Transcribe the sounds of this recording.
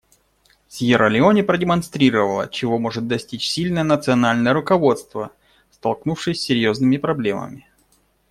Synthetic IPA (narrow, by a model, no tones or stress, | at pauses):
sʲjɪɾəlʲɪonʲɪpɾədʲɪmɐnst̪ɾʲiɾəvəlˠə̰t͡ɕɪvo̞mo̞ʐɨt̪̚d̪ɐsʲtʲit͡ɕsʲilʲnəjənət̪sɨɐnalʲnəjəɾʊkɐvo̞t̪st̪və | st̪ɐlˠknufʂɨjsʲːɪɾʲjo̞znɨmʲɪpɾɐblʲe̞mə̰mʲɪ